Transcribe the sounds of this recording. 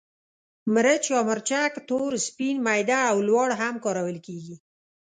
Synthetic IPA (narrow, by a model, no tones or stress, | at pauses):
mɾət͡ʃjɑməɾt͡ʃakt̪oɾspinmajd̪aːwlwɑɽɦamkɑɾawəlkeɡi